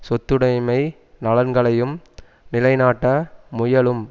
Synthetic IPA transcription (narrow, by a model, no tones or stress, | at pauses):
sɔt̪ːɯɽɐɪmɐɪ | nɐlɐɾɡɐɭɐjɯm | nɪlɐɪnaːʈːɐmʊjɐɭɯm